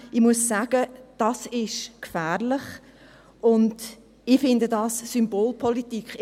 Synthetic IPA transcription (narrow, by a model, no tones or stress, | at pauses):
ɪmuəsːaːɡ̥əd̥ɑsɪʃkfæːɾlɪχ | ʊnd | ɪfɪndədɑssymboːlpʰɔlitikχ